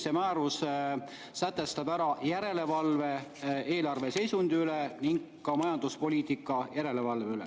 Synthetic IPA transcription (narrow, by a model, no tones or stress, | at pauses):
semæːɾus | sæt̪ːˑe̞st̪ɑb̥æɾɑjæɾe̞le̞vɑlve̞ʔe̞ːlɑrve̞se̞jsund̪̥iyle̞niŋɡːɑmɑjɑnd̪̥uspo̞lʲiːt̪ikːˑɑjæɾe̞le̞vɑlveylḛ